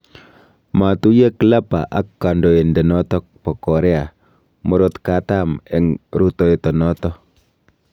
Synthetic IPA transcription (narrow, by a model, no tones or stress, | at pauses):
mat̪ujeklapa̰ʔakːandɔendɛnɔt̪ɔk̚pɔkɔɾɛa | mɔɾɔt̪kat̪amɛŋɾut̪ɔet̪ɔnɔtɔ